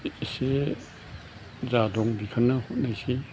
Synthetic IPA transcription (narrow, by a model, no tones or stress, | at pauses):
se | zadɔŋbikʰənːɐhot̚najsi